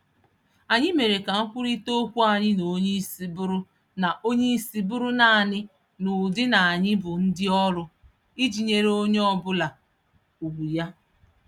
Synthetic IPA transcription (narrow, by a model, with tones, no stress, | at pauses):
a˨ɲɪ˦me˨ɾe˨ka˨ŋ̩˦kʷʊ˦ɾi˦to˦kʷu˦a˨ɲɪ˦no˨˦ɲe˦i˦si˨bʊ˦ɾʊ˦ | na˨ʔo˦ɲe˦i˦si˨bʊ˦ɾʊ˦na˨a˨nɪ˦ | nʊ˨dɪ˦na˨a˨ɲɪ˦bʊ˨n̩˦dɪ˦ɔ˦ɾʊ˦ | i˦d͡ʒi˨ɲe˦ɾe˦o˦ɲe˦ɔ˦bʊ˦la˨ | u˨ɡʷu˨ja˦